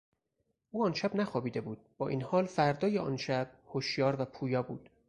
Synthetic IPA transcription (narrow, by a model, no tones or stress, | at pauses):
ʔuːɒːnʃæbnæxɒːbiːd̪e̞buːd̪̥̚b̥ɒːʔiːnhɒːlfæɾd̪ɒːjeɒ̰ːnʃæb̥̚hoʃjɒːɾvæpʰuːjɒːbṵːd̪̥